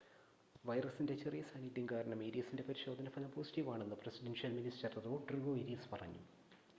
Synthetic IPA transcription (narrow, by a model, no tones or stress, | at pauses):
ʋɐjrɐsinde̞t͡ɕerijɐsaːniʈːiŋkaːɾɐɳɐmeːɾijɐsinde̞pɐɾiɕo̞ːd̪ʱɐnɐfɐlɐpoːsi̥ʈiʋaːɳenːɨpresidenʂjɐlministɐrɐðoːɖruɡoːiɾispɐrɐ̰ɲːu